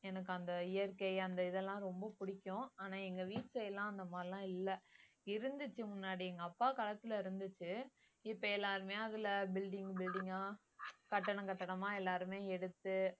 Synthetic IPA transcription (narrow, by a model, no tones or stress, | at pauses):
ɛnɐk̬ːɯɐnd̪ɐɪjɐɾkɐɪɐnd̪ɐɪðɛlːãːɾɔmbɐpʊɽɪkʲːʊ̃aːnãːɛŋɡɐʋiːʈsɐɛlːãːɐnd̪ɐmaːlãːɪlːɐ | ɪɾɯnd̪ɯt͡ʃːɯmʊnːaːɽiɛŋɡɐːpːaːkɐlɐt̪ːɪlɐɪɾɯnd̪ɯt͡ʃːɯ | ɪpːɐɛlːaːɾɯmeːɐðɪlɐbɪlɖɪŋɡbɪlɖɪŋɡaː | kɐʈːɐɳɐ̃kɐʈːɐɳɐmãːɛlːaːɾɯmeːɛɽɯt̪ːɯ